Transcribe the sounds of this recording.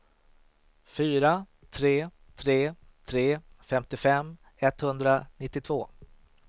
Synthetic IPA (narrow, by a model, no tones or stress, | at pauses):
fyːɾa | t̪ʰɾeː | t̪ʰɾeː | t̪ʰɾeːfɛmt̪ɪfɛm | ɛt̪hɵnd̪ɾanɪt̪ːɪt̪ʰvoː